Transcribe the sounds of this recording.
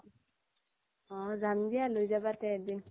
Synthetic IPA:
ɔ̃zandijalojzabatɛɛdin

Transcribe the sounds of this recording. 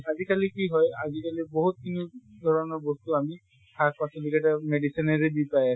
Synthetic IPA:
azikalikiɦɔjazikaliboɦut̪̚kʰinid̪ʱɔɹɔnɔɹbɔst̪uami | tʰak̚pasɔlikɛtameɖisinɛɹebipaja

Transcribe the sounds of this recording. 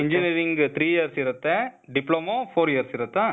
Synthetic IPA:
ɪɲd͡ʒɪniɾɪŋɡt̪ɪɾiːjɛɐɾsɪɾɐt̪ːɛɖɪploːmõːfoːɾɪjɐɾsɪɾɐt̪ːãː

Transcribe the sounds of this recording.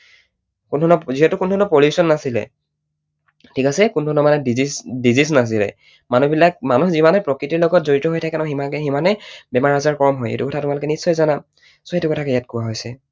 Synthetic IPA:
kundʱɔnɔziɦɛtukundʱɔnɔpoljusɔnːasilɛ̰ | tʰikasɛkundʱɔnɔmanɛdzisdizis̬nas̬ilɛ̰ | manubilak̚manuxzimanɛpɹɔkɹitiɹlɔɡɔt̚zoɹitɔɦojtʰakɛnaximakɛximanɛbɛmaɹazaɹkɔɹɔmɦɔjḛtukɔtʰatʊmalʊkɛnisːɔjzana | soetukɔtʰakɛjat̚kuwaɦojsɛ

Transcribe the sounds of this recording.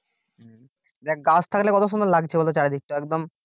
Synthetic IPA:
d̪ɛkɡast̪ʰaklekɔt̪oʃ̬ond̪ɔɾlaɡ̚t͡ɕʰebolot͡ɕaɾed̪ʱik̚ʈoɛk̚d̪om

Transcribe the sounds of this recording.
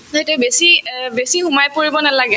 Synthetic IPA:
zaɦtɛbesibesihumajpoɹibɔnalaɡɛ

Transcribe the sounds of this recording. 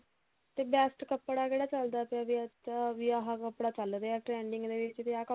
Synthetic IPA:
t̪ebɛːsʈkəpːɽakeːɽaːt͡ʃəld̪aːpːʋiʋiaɦakəpːɽaːt͡ʃəld̪eaʈɾɛːɳɖɪŋɡd̪eːʋɪt͡ʃt̪eaːkə

